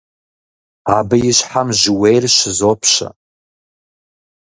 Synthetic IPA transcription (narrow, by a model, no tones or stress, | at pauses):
abɨjɪʃʷħamʒwejrʃzopʰʃa̰